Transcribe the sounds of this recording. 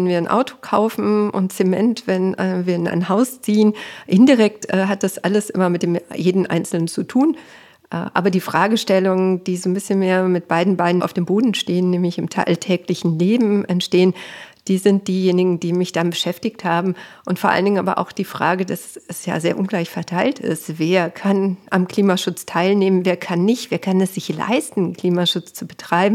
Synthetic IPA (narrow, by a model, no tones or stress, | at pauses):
ɛnviːɐnʔa̰ʊtʰo̥kʰaʊfn̩ʔʊ̰ntt͡semɛ̰ntv̥ɛnɛːviːɐɪnʔa̰ɪnhaʊst͡siːənʔɪndiʁɛk̚tʔɛːɦat̚d̥asʔaləsʔɪ̰mɐmɪt̚d̥eːmjeːdn̩ʔa̰ɪnt͡sl̩nənt͡sutʰuːn | ʔɛ̰ʔa̰ːbɐdiːfʁ̥aːɡəʃtɛlʊŋənd̥iːzoːnbɪsçənmeːɐmɪt̚b̥aɪdn̩baɪdn̩a̰ʊfd̥eːmboːdn̩ʃteːənːɛːmlɪçɪmtʰa̰ltʰɛːklɪçn̩leːbm̩ʔɛntʃteːənd̥iːzɪnt̚d̥iːjeːnɪɡŋ̩d̥iːmɪçd̥anbəʃɛftɪçthaːbm̩ʔʊntfoːɐʔa̰ləndɪŋʔaːbɐʔa̰ʊxd̥iːfʁ̥a̰ːɡədasɛsja̰ːzeːɐʔʊnɡlaɪçfɛɐtʰaɪltɪ̰stv̥eːɐkʰanʔamkl̥iːmaʃʊt͡stʰaɪlneːmənveːɐkʰanːɪçtv̥eːɐkʰanɛsz̥ɪçla̰ɪstn̩kl̥iːmaʃʊt͡st͡subətʁ̥aɪbm̩